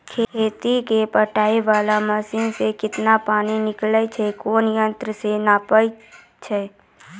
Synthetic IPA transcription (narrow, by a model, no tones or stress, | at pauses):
kʰeeːt̪ikepəʈaːiʋaːlaməsiːnsekɪt̪napaːninɪklət͡ʃʰɛkoːnjə̃nt̪ɾəsenaːpəj | t͡ʃʰɛː